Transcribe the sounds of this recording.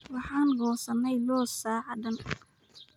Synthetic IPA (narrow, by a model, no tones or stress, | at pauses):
wɑħɑːnɡɔːsɐnːɛjlɔːsaːʕɑɖɐn